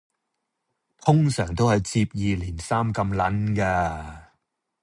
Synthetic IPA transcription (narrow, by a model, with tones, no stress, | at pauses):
t̪ʰʊ˥ŋsœː˨˩ŋt̪o˥whɐ˨jt͡siː˧p̚jiː˨liː˨˩nsaː˥mkɐ˧mlɐ˨˥nkaː˧